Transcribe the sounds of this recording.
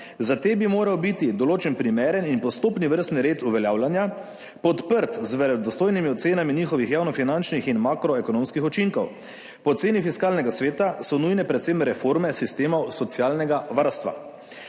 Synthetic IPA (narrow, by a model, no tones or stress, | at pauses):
zat̪eːbimoːɾawbit̪id̪ɔloːt͡ʃɛnpɾimeːɾəninpɔst̪oːpniʋəɾst̪nɾeːt̪uʋɛljaːwlanja | pɔt̪pəɾt̪zʋɛɾɛd̪ɔst̪oːjnimiɔt̪seːnaminiːxɔʋixjaːwnɔfinant͡ʃnixinmaːkɾɔɛkɔnoːmskixɔt͡ʃiŋkɔw | pɔt̪seːnifiskaːlnɛɡasʋeːt̪asɔnujnɛpɾɛt̪semɾɛfoːɾmɛsist̪eːmɔwsɔt̪sjaːlnɛɡaʋaɾst̪ʋa̰